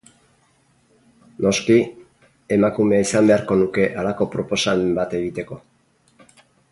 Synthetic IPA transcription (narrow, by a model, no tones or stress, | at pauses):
no̞ski | e̞makume̞aisambe̞aɾko̞nuke̞ʔalako̞pɾo̞po̞saβembat̪e̞ɣit̪e̞ko̞